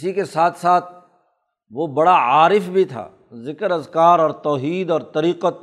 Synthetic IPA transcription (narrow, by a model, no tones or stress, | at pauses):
sikesaːt̪ʰsaːt̪̚ʰ | ʋobɐɽaaːɾɪfbʱit̪ʰa̰ː | zɪkəɾɐzkaːɾɔːɾt̪ɔːɦiːd̪ɔːɾt̪ɐɾiːqət̪̚